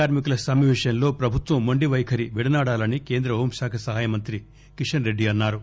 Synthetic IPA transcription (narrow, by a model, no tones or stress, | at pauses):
aːɾmikulɐsɐmiʋiʂjɐnlo̞ːpɾɐbʱut̪ʋɐmːɐɳɖiʋɐjkʰɐɾiʋiɽɐnaːɽaːlɐnike̞ːnd̪ɾɐɦoːmsaːkʰɐsɐɦaːjɐmɐnt̪ɾi | kiʂɐnɾe̞ɖːiɐnːaːɾu